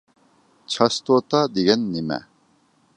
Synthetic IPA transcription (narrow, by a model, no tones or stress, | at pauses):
t͡ɕʰast̪ot̪ad̪iɡɛnːimæ̰